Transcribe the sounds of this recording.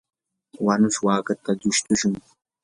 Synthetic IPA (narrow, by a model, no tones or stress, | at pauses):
wanʊʃwaːkat̪ad͡ʒʊʃt̪ʊʃʊŋ